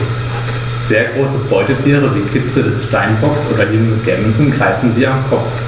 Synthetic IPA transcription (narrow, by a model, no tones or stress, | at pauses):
z̥eːɐɡʁoːsəbɔʏtətʰiːʁ̞əviːkʰɪt͡sədɛsʃtaɪnbɔksʔoːdɐlɪŋəɡɛ̰mzn̩ɡʁaɪfn̩ziːamkʰɔ